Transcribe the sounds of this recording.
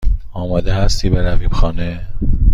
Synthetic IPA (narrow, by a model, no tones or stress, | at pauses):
ɒːmɒːd̪eɦæst̪ʰiːbeɾæviːb̥xɒːne